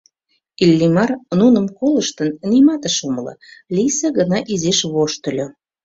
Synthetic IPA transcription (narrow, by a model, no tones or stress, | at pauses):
ilʲːimɑrnunə̆mkoləʃt̪ənnimɑt̪əʃomələ̰lʲisəɣənɑʔizeʃβoʃt̪ə̆lʲo